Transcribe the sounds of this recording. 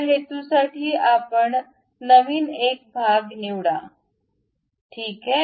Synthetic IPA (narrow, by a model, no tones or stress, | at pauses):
ɦet̪usaʈʰiːapəɳ | nəʋiːnek̚bʱaɡniʋɽa | ʈʰiːkɦe